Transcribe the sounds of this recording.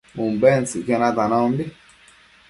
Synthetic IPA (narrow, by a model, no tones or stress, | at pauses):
mumbɛnsikɛnat̪anandi